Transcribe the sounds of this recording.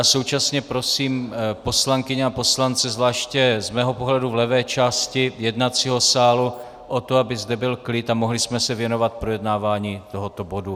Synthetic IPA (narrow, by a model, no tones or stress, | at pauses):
jaso̞wt͡ʃasɲɛpɾo̞siːmpo̞slaŋkɪɲɛapo̞slant͡sɛzvlaːʃcɛzmɛːɦo̞po̞ɦlɛduvlɛvɛːt͡ʃaːscɪjɛdnat͡siɦo̞saːlu | ʔot̪oabɪzdɛbɪlklɪt̪amoɦlɪsmɛsɛvjɛno̞vat̪̚pɾo̞jɛdnaːvaːɲiːt̪o̞ɦot̪o̞bo̞du